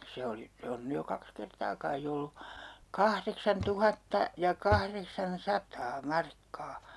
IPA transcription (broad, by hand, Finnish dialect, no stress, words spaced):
se oli se on ny jo kɑks kertɑː kɑi olːu kɑhreksɑntuhɑtːɑ jɑ kɑhreksɑnsɑtɑː mɑrkːɑː